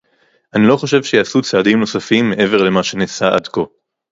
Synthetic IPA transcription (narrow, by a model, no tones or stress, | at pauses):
ʔanilo̞χo̞ʃe̞vʃe̞jaːsut͡saːdimno̞safimːe̞ʔe̞ve̞ʁle̞maʃe̞nesaʔa̰d̪ko̞